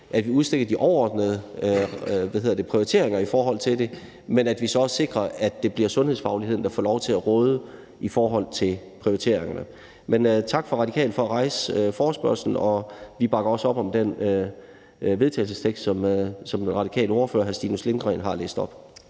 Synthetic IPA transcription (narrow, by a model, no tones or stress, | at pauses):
ʔæd̥ʋiuðˠsd̥e̝ɡ̥ɐd̥iʔɒʊɐɒ̰ːd̥nəð̩ˠə | ʋæðhe̝̰ðˠd̥e̝pʰʁioʁit͡sʰe̝̰ɐ̰eŋɐifɒːɦɒ̽l̰t͡sʰe̝lde̝ | menæd̥ʋisɒ̽sse̝ɡ̥ʁɐæd̥ːe̝b̥liɐsɔ̽nheð̰ˠsfɑ̈ʊliɦe̝ð̞̰ˠn̩d̥ɑ̈fɒ̰ːlɒʊt͡sʰe̝æʁɔːð̞ˠə | ifɒːɦɒ̽l̰t͡sʰe̝l | pʰʁio̝it͡sʰe̝̰ɐ̰e̝ŋɐnə | ment͡sʰɑ̈ɡ̥fɒ̽ʁɑ̥̈ikʰɛ̰ːl̥fɒ̽æʁɑ̈ɪsfɒːsb̥ɶɐ̰sln̩ɒ̽ʋib̥ɑ̈ɡ̥ɐɒ̽sɒ̽b̥ɒ̽md̥en | ʋeð̞ˠt͡sʰɛ̰ɪlsəst͡sʰeɡ̥sd̥sɒ̽msɒ̽mʁɑ̈ɾikʰɛ̰ːldoʊɐfø̰ːɐɦæɐsd̥ḭːnuslemɡ̥ʁɛ̰ːnɦɑ̈lḛːsd̥ɒ̽b̥